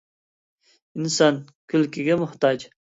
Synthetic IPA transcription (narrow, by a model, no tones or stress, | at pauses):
insɑn | kʲʰylkʲʰɪɡʲɛmʊht̪ɑd͡ʒ